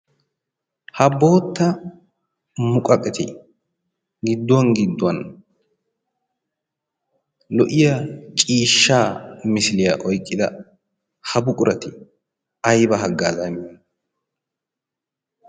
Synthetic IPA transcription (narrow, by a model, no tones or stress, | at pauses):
hɐbo̞ːt̪ːɐ | mʊkʼɐkʼːɛt̪ɪ̰ | ɡɪd̪ːʊwɐnɡɪd̪ːʊwɐn | lɔʔɪjɐt͡ʃʼiːʃːaːmɪsɪlɪjaʔɔjkʼːɪd̪ɐ | hɐbʊkʼʊɾɐt̪ɪ | ɐjbɐɦɐɡːaːzɐnɐn